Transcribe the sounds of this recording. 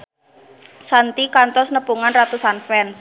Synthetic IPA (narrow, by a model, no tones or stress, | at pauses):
sant̪ikant̪ɔsnəpuŋanrat̪usanfɛns